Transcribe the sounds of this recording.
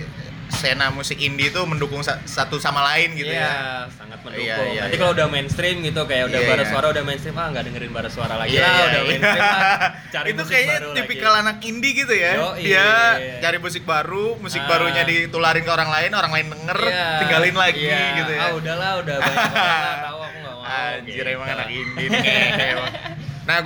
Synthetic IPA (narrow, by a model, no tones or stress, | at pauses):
senamusɪkindiːt̪uməndukʊŋsasat̪usamalaɪnɡit̪ujasaŋat̪̚mədijajaikaloudahmenst̪ɾɪmɡit̪ukajaʔudabaɾasuaɾaudahmenst̪ɾɪmaŋɡaʔdəŋəɾɪnbaɾaswaɾalaɡiaudae | t͡ʃaɾit̪ukaajadipikalanakindiɡit̪ujaijat͡ʃaɾɪmus̬ɪk̚baɾumusɪk̚baɾuɲadit̪ulaɾɪnkəoɾaŋlaɪnoɾaŋlaɪndəŋərt̪iŋɡalɪnlaɡiɡit̪ujaudahlauda | a | ad͡ʒiɾamaŋanakindikaaajaa | na